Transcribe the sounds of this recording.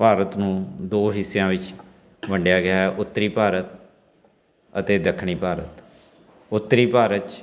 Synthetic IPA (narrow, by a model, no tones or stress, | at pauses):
paːɾət̪nũːd̪oːɦɪsːjãːʋɪt͡ʃ | ʋəɳɖjaːɡɪaːɦɛʔʊt̪ːɾiːpaːɾət̪̚ | ət̪eːd̪əkʰɳ̃iːpaːɾə̰t̪ | ʊt̪ːɾiːpaːɾət͡ʃ